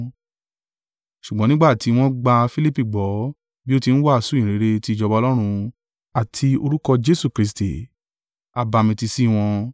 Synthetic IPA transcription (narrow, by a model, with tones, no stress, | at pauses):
ʃu˨ɡ͡bɔ̃˨˦nĩ˦ɡ͡ba˦˨ti˨˦w̃ɔ̃˦ɡ͡ba˧fi˦li˦pi˦˨ɡ͡bɔ˨˦ | bi˦o˦ti˧n̩˦wa˦a˧sũ˨˦˨ɾe˨˦ɾe˧ti˦˨d͡ʒɔ˧ba˧lɔ˦ɾ̃ũ˧ | a˨tʰi˧o˧ɾu˦kɔ˧d͡ʒe˦su˦˨kɾi˧˦s̬tḭ˨ | a˧ba˧mĩ˧ti˧si˦w̃ɔ̃˧